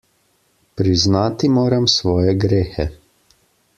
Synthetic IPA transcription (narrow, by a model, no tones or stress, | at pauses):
pɾiznaːt̪imoːɾamsʋɔːjɛɡɾeːxɛ